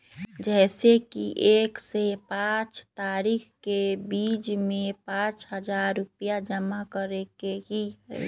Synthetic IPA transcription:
d͡ʒɛːsekiʔeːksepãt͡ʃt̪aːɾixkebiːd͡ʒmẽpãːt͡ʃɦəd͡ʒaːɾːʊpijad͡ʒəmakəɾekeɦiɦɛ̰

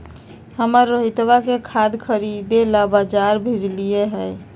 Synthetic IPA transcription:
həməɾːəɦit̪bakekʰad̪kʰəɾid̪elabad͡ʒaɾbʱed͡ʒlijeɦəj

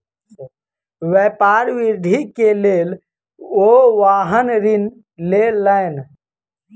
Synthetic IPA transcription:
ʋɛːpaːɾʋiɾd̪ʱikeleːl | oʋaːɦənɾin | lelən

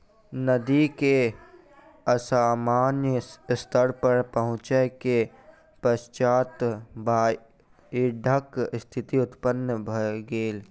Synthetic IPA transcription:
nəd̪ike | əsaːmaːnjəst̪ʰəɾpəɾpəɦʊ̃t͡ʃeke | pəst͡ʃaːt̪baː | iɖʱəkst̪ʰɪt̪iʊt̪pənːəbʱəɡeːl

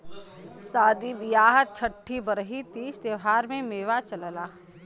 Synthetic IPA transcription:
saːd̪ibɪjaːɦət̪̚t͡ʃʰəʈʰːibəɾɦit̪iːst̪eʋɦaːɾmẽmeːʋat͡ʃələlaː

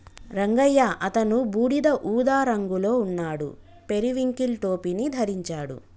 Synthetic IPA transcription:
ɾɐŋɡɐjːaʔɐt̪ɐnubuːɽid̪ɐʔuːd̪aːɾɐŋɡuloːunːaːɽṵ | pe̞ɾiʋiŋkilʈo̞ːpinid̪ʱɐɾiɲt͡ʃaːɽṵ

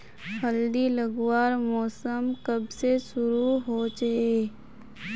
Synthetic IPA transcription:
pʰəld̪iləɡwaːɾmɔːsəmkəbsesʊɾuɦot͡ʃɐe

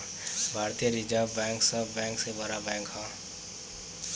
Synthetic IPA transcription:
bʱaːɾt̪ijɾid͡ʒabɛ̃ŋksəbɛ̃ːŋksebaɾabɛ̃ːŋkɦã

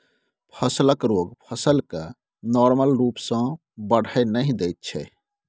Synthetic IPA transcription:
pʰəsləkɾoɡpʰəsəlke | nɔɾməlɾuːpsə̃ | bəɽ̤ʱəjnəɦĩd̪ɛjt̪̚t͡ʃʰɛ̰

